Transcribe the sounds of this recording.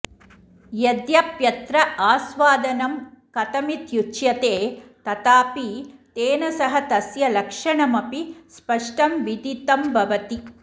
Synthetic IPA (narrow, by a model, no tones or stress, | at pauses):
jed̪jɐpjɐt̪ɾɐaːsʋaːd̪ɐnɐmkɐt̪ɐmit̪jut͡ʃjɐt̪eːt̪ɐt̪aːpit̪eːnɐsɐɦɐt̪ɐsjɐlɐkʂɐɳɐmɐpispɐʂʈɐmʋid̪it̪ɐmbʱɐʋɐt̪i